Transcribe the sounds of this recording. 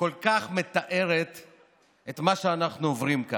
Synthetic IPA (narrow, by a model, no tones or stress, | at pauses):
ko̞lkaχme̞t̪aʔe̞ʁe̞t̪ | et̪maʃeanaχnuovʁimka